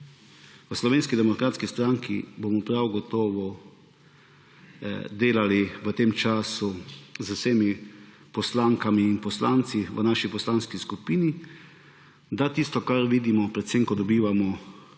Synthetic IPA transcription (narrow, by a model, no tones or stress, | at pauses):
ʋəslɔʋeːnskid̪ɛmɔkɾaːt̪skist̪ɾaŋkʰḭbomɔpɾawɡɔt̪ɔːʋɔ | d̪eːlaliʋət̪eːmt͡ʃaːsuzəwseːmi | pɔslaŋkamiːnpɔslaːnt̪siʋənaʃipɔslaːnskiskupini | d̪at̪ist̪ɔkaɾʋiːd̪imɔpɾɛt̪semkɔd̪ɔbiːʋamɔ